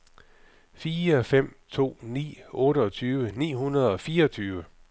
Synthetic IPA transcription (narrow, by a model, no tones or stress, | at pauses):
fiːɐfem̰t͡sʰo̝̰ːnḭːɔ̽ːɾəɒ̽t͡sʰyːʋənḭːɦunɐðˠɒ̽fiːɐɒ̽t͡sʰyːʋə